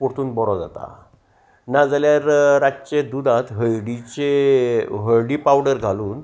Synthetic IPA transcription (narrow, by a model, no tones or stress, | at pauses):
poɽt̪uːnbɔɾɔd͡za̰t̪a̰ | nad͡zaljaɾɾat͡ɕed̪ud̪ʱãt̪ɦəɭɽit͡ɕe | ɦəɭɽipawɖəɾɡʱaluːn